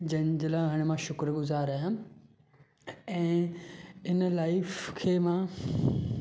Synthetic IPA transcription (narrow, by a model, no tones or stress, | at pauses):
d͡ʑɐ̃nd͡ʑəlaɦɐɽ̃mãʃʊkɾɡʊzaːɾaːɦjã | ɛ̃ː | ɪnəlaːɪfkʰeːmãː